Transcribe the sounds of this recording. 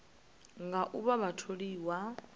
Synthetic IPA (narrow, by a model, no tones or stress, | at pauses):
ŋɡaʔuβaβatʰoɺiːwa